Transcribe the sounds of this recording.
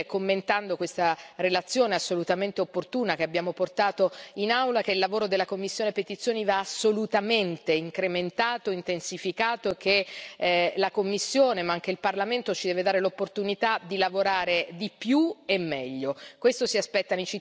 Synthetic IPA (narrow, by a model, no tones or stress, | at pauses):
komːent̪and̪okwest̪aɾelat̪sːjoːneasːolut̪ament̪eopːort̪uːnak̟eabːjaːmoport̪aːt̪oinawlak̟eilːavoːɾod̪elːakomːisːjoːnepet̪it̪sjoːnivaːsːolut̪ament̪eiŋkɾement̪aːt̪oint̪ensifikaːt̪oek̟ːe | lakomːisːjoːnemaaŋk̟eilparlament̪ot͡ʃid̪ɛːved̪aːɾelopːort̪unit̪ad̪ilavoɾaːɾed̪ipjuemːɛʎːokwest̪osiaspɛt̪ːanet͡ʃi